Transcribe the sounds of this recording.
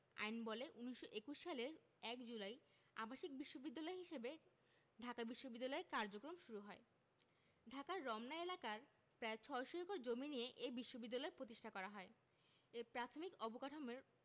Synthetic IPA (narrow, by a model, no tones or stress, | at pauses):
a̰jnbɔleʔuniʃoʔekuʃʃaleɾ | ɛkd͡ʑulaj | a̰baʃik̚biʃːobid̪ːalɔeɦiʃebe | ɖʱakabiʃːobid̪ːalɔeɾkaɾd͡ʑokɾomʃuɾuɦɔe | ɖʱakaɾːɔmnaelakaɾ | pɾaet͡ɕʰɔeʃoɾikoɾd͡ʑominijeʔebiʃːobid̪ːalɔepɾot̪iʃʈʰakɔɾaɦɔe | epɾat̪ʰomikɔbokaʈʰomeɾ